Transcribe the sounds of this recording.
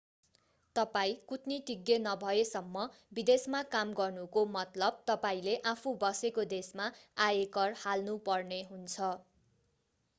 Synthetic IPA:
t̪ʌpaĩkut̪niʈiɡːenʌbʱʌesʌmːʌ | bid̪esmakamɡʌrnukomʌt̪lʌb̚t̪ʌpaĩleʔapʰubʌsekod̪esmaajekʌrhalnupʌrneɦunt͡sʰʌ

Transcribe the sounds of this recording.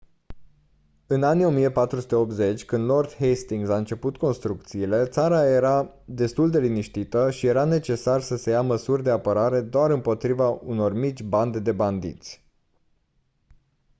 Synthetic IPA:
ɨnanio̞mije̞pat̪ɾusut̪eo̞p̚t̪ze̞t͡ʃʲkɨnd̪lo̞rd̪hejst̪iŋɡsaɨnt͡ʃe̞put̪ko̞nst̪ɾuk̚t̪siːle̞t̪saɾaje̞ɾa | d̪e̞st̪uld̪e̞liniʃt̪it̪əʃije̞ɾane̞t͡ʃe̞sarsəse̞jaməsurʲd̪e̞apəɾaɾe̞d̪oaɾɨmpo̞t̪ɾivauno̞rmit̪t͡ʃʲband̪ed̪e̞band̪ḭt̪sʲ

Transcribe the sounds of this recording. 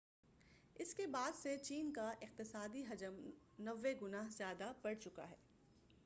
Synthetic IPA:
ɪskebaːd̪set͡ʃiːnkaʔɪq̚t̪ɪsaːd̪iɦɐd͡ʒəm | nɐʋːeɡʊnaːɦzjaːd̪abɐɽt͡ʃʊka̰ɦɛː

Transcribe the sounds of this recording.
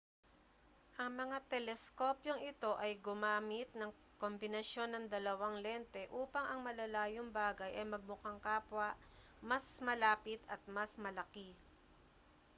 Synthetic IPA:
ʔɐŋmɐŋat̪ɛlɛsko̞pjo̞ŋɪt̪o̞ʔɐjɡʊmaːmɪt̪̚nɐŋ | ko̞mbɪnɐʃjo̞nːɐŋd̪ɐlɐwaŋlɛnt̪ɛʔuːpɐŋɐŋmɐlɐlaːjoŋbaːɡɐjʔɐjmɐɡ̚mʊkaŋkaːpwɐʔ | mɐsmɐlaːpɪt̪ʰɐt̪̚mɐsmɐlɐki

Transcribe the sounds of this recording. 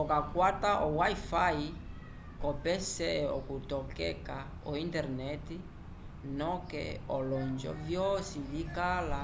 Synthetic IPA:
ɔkakwataʔɔwaifai | kɔpɛsɛɔ̰kutɔkɛ̰ka | ɔintɛɾnɛti | nɔkɛ̰ɔlɔɲd͡ʒɔ̰vjɔsivikala

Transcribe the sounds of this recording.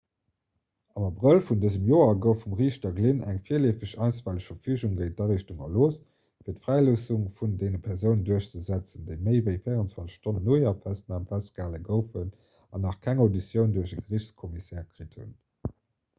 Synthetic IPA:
ɑmɑbʁəlfundəzəmjoːɐɡəʊfumʁiːɕtɐɡlinæŋfiːɐleːfəɕɑɪnsvæːləɕfɐfyːʑuŋɡəɪt̚d̥ɑʁiʃtuŋɐ̰loːs | fiːɐtfʁ̥æɪloːsuŋfundeːnəpʰɛʁzəʊnənduɐɕt͡səzæt͡səndeɪməɪvəɪfəɪəʁənt͡swɑnt͡sə̥ʃtonənoɪɐfæstnaːmfæst̚ɡ̥aːləɡəʊfən | ɑnɑχkʰæŋodisjəʊnduɐʃəɡəʁiɕt͡skʰɔmisɛːʁkʁithṵn

